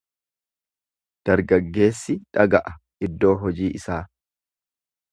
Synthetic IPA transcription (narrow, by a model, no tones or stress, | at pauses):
d̪̥ɐɾɡɐɡːe̞ːsːɪᶑɐɡɐʔɐ | ɪd̪ːo̞ːɦɔd͡ʒiːʔɪsaː